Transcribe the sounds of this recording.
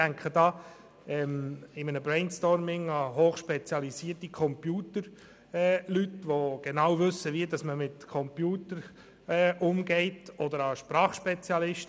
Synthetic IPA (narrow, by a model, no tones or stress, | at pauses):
æŋkχədɑː | ɛmɪmənəbɾɛɪnstɔɾmɪŋɑɦoːχʃpɛt͡sjɑlisiːtikʰɔmpjuːtəɾ | ɛlytʋoɡ̥enɑwvɵsəviədɑsməmɪtkʰɔmpjuːtəɾ | ɛːʔʊmɡɛɪtɔdəɾɑʃpɾɑːχʃpɛt͡sjɑlɪʃt